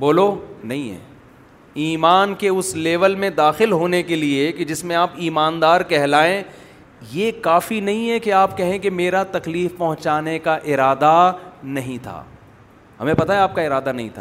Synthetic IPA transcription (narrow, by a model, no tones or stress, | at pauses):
boːlonɐɦĩɦɛ̰ː | iːmaːnkeʊsleːʋəlmẽd̪aːxɪlɦoːnekelieked͡ʒɪsmẽaːpiːmaːnd̪aːɾkɛɦlaːẽ | jekaːfinɐɦĩɦɛkeaːpkɛɦẽkemeːɾat̪ɐkliːfpɐɦʊ̃t͡ʃaːnekaʔɪɾaːd̪anɐɦĩt̪ʰa̰ː | ɦɐ̰mẽpɐt̪aɦɛaːp̚kaɪɾaːd̪anɐɦĩt̪ʰaː